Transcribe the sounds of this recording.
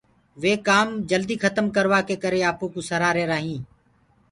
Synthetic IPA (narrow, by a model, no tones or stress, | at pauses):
ʋeːkaːmd͡ʒəld̪iːxʰət̪əmkəɾʋaːkeːkəɾeːaːpõːkũːsəɾaːɾeːɾaːɦĩː